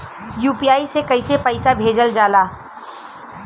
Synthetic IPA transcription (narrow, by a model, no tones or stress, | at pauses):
juːpijaːisekɐɪsepəɪsabʱeːd͡ʒəld͡ʒaːlaː